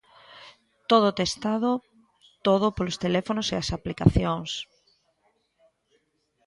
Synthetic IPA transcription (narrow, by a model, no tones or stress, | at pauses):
t̪oð̞ʊt̪est̪aðo | t̪oðopolost̪elɛfonoseasaplika̰θjoŋs